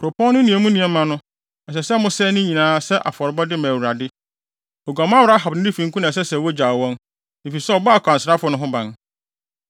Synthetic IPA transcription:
kʰɾo˨pʰɔ̃˦nʊ̃˦nĩ˨ɛ˨mũ˦nĩ˨ɛ˨˦mã˨nʊ̃˦ | ɛ˨s̬ɛ˨sɛ˦mʊ̃˦sɛ˦nʊ̃˦ɲĩ˨nãː˨˦sɛ˦ʔa̰˨fɔ˨ɾbɔ˦dɪ˦mã˨wu˨ɾa˨dɪ˦ | ɔ˨ɡa˨mã˦wʊ˨ɾa˦ɦa˨bnɪ̃˦nɪ̃˦fĩ˨˦ŋ˦kʰu˦nã˨sɛ˦sɛ˨wɔ˦d͡ʑaː˨wɔ̃˦n | ɪ˨fi˨sɛ˦ɔ˨bɔ˦a˨kʷʰã˨nsɪɾa˦fʊ˨˦nʊ̃˦ɦʊ̃˦bã˨n

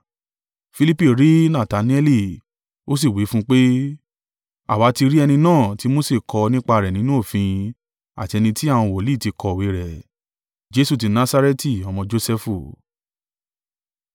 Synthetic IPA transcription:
fi˧li˦pi˨ɾi˨˦nã˦˨ta˨˦nĩ˦ɛ˦li˦˨ | o˦s̬i˦˨wi˨˦fũ˦k͡pe˦ | a̰˨wa˨˧˦ti˧ɾi˦ɛ˧nĩ˧nãː˦˨ti˨˦mo˦se˦˨kʰɔ˧nĩ˦k͡pa˧˨ɾɛ˨nĩ˨˦nũ˦o˦˨fĩ˧ĩ˧ | a̰˨ti˧ɛ˧nĩ˧ti˦a˦˨w̃ɔ̃˧wo˨li˦˨ti˧kʰɔ˧˨we˨˦ɾɛ˨ | d͡ʒe˦su˦˨t̬i˧nã˦sa˦ɾe˦ti˨ɔ˧mɔ̃˧d͡ʒo˦sɛ˦fu˧˨

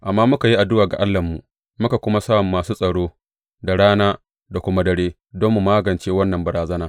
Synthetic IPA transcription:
ʔa˨mːaː˦mʊ˦ka˨ji˦ʔa˨dʊ˦waː˨ɡa̰˨ʔa˦lːɐ˨mːṵ˨ʔ | mʊ˦ka˨kʷʊ˦ma˦saː˦˨mːaː˨suː˦sʼɐ˨ɽoː˦ | da˨ɽaː˦naː˦ | da˨kʷʊ˦ma˦dɐ˨ɽeː˦ | dɔ˦mːu˨maː˦ɡɐ˨nt͡ʃeː˦wɐ˦nːɐ˨mbɐ˨ɽaː˨zɐ˦naː˦

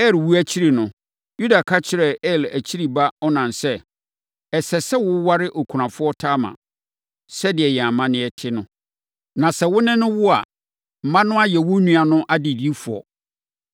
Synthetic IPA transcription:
ɛ˦˨lwu˦æ˦t͡ɕʰi˦ɾi˨nʊ̃˨ | ju˦da˨kʰa˦t͡ɕʰɪ˨ɾɛ˨ɛ˦˨læ˨t͡ɕʰi˦ɾi˨ba˦ɔ˦nã˨n˨sɛ˦ | ɛ˨sɛ˨sɛ˦wʊ˦wa˦ɾɪ˦ʔo˨kʰu˨ã˨fʊ˦ɔ˦tʰaː˦mã̰˨ | sɛ˦dɪ˨ɛ˨jɛ˨a˨mã˦nɪ̃˦ɛ˨tʰɪ˦nʊ̃˦ | nã˨sɛ˨wʊ˦nɪ̃˦nʊ̃˦wʊ˦a̰˨ | m̩˨mã˦nʊ̃˦a˦jɛ˨wʊ˦nũ˦a˨nʊ̃˦ʔa˦dɪ˨di˦i˦fu˨ɔ̰˨

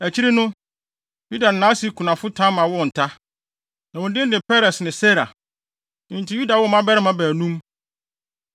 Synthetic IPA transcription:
æ˨t͡ɕʰi˦ɾi˦nʊ̃˦ | ju˦da˨n̩˨nãː˦si˨˦˨kʰu˨nã˨fʊ˦tʰã˦mã˨wʊ˦˨n̩˨tʰa˦ | nã˨wʊ̃˨n˦dɪ̃˦n̩˦dɪ˨pɛ˦ɾɛ˨snɪ̃˨se˦ɾa˨ | ɪ̃˨n̩˨tʰi˦ju˦da˨wɔ˦mã˦bɛ˦ɾɪ˦mã˦bæː˨nũ˦m

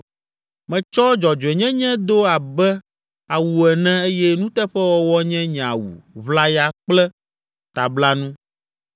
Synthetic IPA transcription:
mɛ̃˨t͡ʃɔ˦d͡ʒɔ˨d͡ʒɛ˨ɲɛ̃˦ɲɛ̃˦d̪o˦a˨bɛ˦ | a˨wu˨ɛ˨nɛ̃˦e˦jɛ˦nũ˦t̪ɛ˦ɸɛ˦wɔ˦wɔ˦ɲɛ̃˦ɲ˨ã˨wṵ˨βla˦ja˨k͡plɛ˦ | t̪a˨bla˦nũ˦

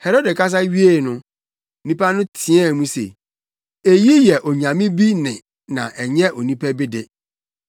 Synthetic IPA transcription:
hɛ˨ɾo˦dɛ˨kʰa˦s̬a˦ɥi˦e˨nʊ̃˦ | nĩ˦pa˦nʊ̃˦tʰɪ˨˦ɛ˦˨mũ˦sḛ˨ | e˨ji˦jɛ˨ʔɔ˨ɲã˨mɪ̃˦bi˦nɪ̃˨ | nã̰˨ʔɛ˨ɲɛ̃˦ʔo˨nĩ˦pʰæ˦be˦de˨

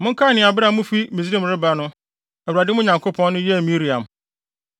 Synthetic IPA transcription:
mʊ̃˦ŋ̩˦kʰa˦˨nɪ̃˨a˨bɪ˦ɾa˨˦mʊ̃˦fi˦mĩ˨zĩ˦˨m˨ɾɪ˦ba˦nʊ̃˦ | æ˨u˨ɾa˨dɪ˦mʊ̃˦ɲã˨ŋkʰo˦pʰɔ̃˦nː˦ʊ̃˦jɛ˦˨mi˦ɾi˨ã̰˨m

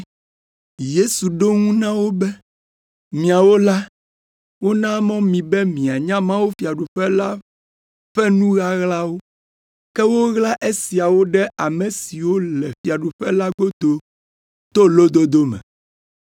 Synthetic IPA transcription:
je˦su˨ɖo˦ŋũ˦nã˦wo˦bɛ˦ | mĩ˨a˨wo˦la˦ | wo˦nã˦mɔ̃˦mĩ˨bɛ˦mĩ˨a˨ɲã˦mã˦wo˦fi˨a˨ɖu˨ɸɛ˦la˦ | ɸɛ˦nũ˦ɣa˦ɣla˦wo˦ | kɛ˦wo˦ɣla˦ʔe˦si˨a˨wo˦ɖɛ˦ʔa˨mẽ˨si˨wo˦lɛ˨fi˨a˨ɖu˨ɸɛ˦la˦ɡo˦d̪o˦ | t̪o˦lo˦d̪o˦d̪o˦mɛ̰̃˨

